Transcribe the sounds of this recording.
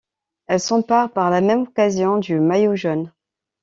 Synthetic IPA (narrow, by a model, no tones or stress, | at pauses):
ɛlsɑ̃paʁpaʁlamɛmɔkazjɔ̃d̪ymajoʒɔn